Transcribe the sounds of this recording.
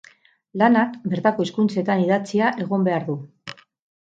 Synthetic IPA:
lanakbe̞ɾt̪ako̞iskunt͡se̞t̪aniðat͡siaʔe̞ɣ̞o̞mbe̞aɾðu

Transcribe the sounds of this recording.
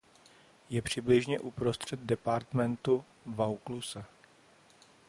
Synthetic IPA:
jɛpr̝̥ɪblɪʒɲɛʔupɾost̪r̝̥ɛd̪̚dɛpaɾt̪mɛnt̪u | vawklusɛ

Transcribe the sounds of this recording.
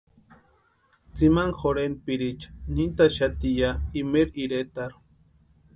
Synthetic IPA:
t͡simaŋxoɾenpiɾit͡ʃḁnint̪aʃat̪ijaimeɾiɾet̪aɾ

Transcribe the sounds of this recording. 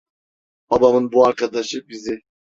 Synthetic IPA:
ɑbɑmɯnbuaɾkʰɑd̪ɑʃɯbizɪ

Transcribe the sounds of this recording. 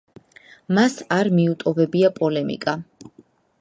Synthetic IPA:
masaɾmiut̪ʼɔvɛbiapʼɔlɛmḭkʼa

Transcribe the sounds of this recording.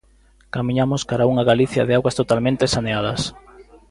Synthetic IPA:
kamiɲamoskaɾauŋaɣaliθja̰ðeaɣwɐst̪ot̪almẽnt̪esaneaðɐs

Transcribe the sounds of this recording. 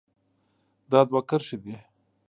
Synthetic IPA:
d̪ɑd̪wakaɾʃid̪i

